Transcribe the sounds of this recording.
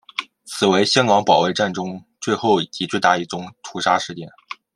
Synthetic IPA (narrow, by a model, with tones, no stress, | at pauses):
t͡sʰɹ̩˨˩we˧˥ɪɕjɑ˥nkɑ˧˥ŋpɑ˨˩ʊwe˥˧ɪʈ͡ʂa˥˩nʈ͡ʂʊ˥ŋt͡swe˥˧ɪxo˥˩ʊi˨˩t͡ɕi˧˥t͡swe˥˧ɪt̪a̰˥˧i˥˩ʈ͡ʂʊ˥˩ŋt̪ʰu˧˥ʂa˥ʂɻ̩˥˧t͡ɕjɛ˥˩n